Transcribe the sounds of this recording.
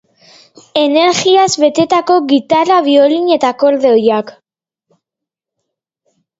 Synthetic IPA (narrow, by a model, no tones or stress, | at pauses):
e̞ne̞ɾɣiazβe̞t̪e̞t̪ako̞ɣit̪araβio̞liɲe̞t̪ako̞ɾðeojak